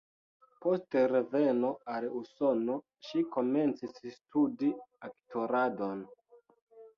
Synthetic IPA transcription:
po̞steɾe̞ve̞no̞aluso̞no̞ | ʃiko̞me̞nt͡sisstudiaktʰo̞ɾado̞n

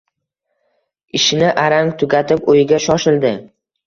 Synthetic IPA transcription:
ɪʃɪnɪʔaɾaŋt̪ʰʊɡʲat̪ʰɪpojɪɡʲaʃɒʃɪld̪ɪ

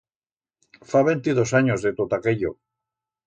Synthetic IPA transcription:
faβent̪iðosaɲozðet̪ot̪akeʎo

